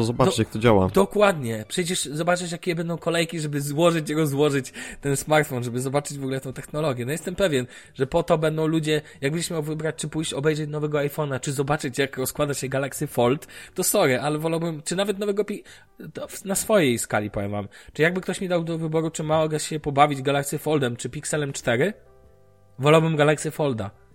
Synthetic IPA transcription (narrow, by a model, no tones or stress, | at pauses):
t̪ɔzɔbajakt̪ɔd͡ʑawa̰d̪ɔkwad̪ɲɛpʂɛjt͡ɕɛʂzɔbat͡ʂɨʂ̬jakʲejɛbɛnd̪ɔ̃w̃kɔlɛjkʲiʐɛbɘzwɔʐɘt͡ɕiɾɔzwɔʐɘt͡ɕt̪ɛnsmaɾt̪fɔnʐɛbɘzɔbat͡ʂɘd͡ʑvɔɡulɛt̪ɔ̃w̃t̪ɛxnɔlɔɡʲjɛnɔjɛst̪ɛmpɛvʲjɛn | ʐɛpɔt̪ɔbɛnd̪ɔ̃w̃lud͡ʑɛjaɡbɛnɲd͡ʑʲɛɕmʲjawvɘbɾat͡ɕʲt͡ʂɘpujɕt͡ɕɔbɛjʐɛt͡ɕnɔvɛɡɔajfɔnat͡ʂɘzɔbat͡ʂɘt͡ɕjakɾɔskwad̪aɕɛɡalaksʲjɛfɔlt̪ːɔsɔɾɛʔalɛvɔlawbɘmt͡ʂɘnavɛt̪nɔvɛɡɔpʲi | t̪ɔfnasfɔjejska̰lʲipɔvʲɛ̰ma̰mt͡ʂɨjaɡ̚bɘkt̪ɔɕmʲid̪awd̪ɔvɘbɔɾut͡ʂɘmaɔɡɛɕɛpɔbavʲid͡ʑɡalaksʲjɛfɔld̪ɛmt͡ʂɘpʲiksɛlɛmt͡ʂt̪ɛɾɘ | vɔlawbɘmɡalaktsʲjɛfɔld̪a̰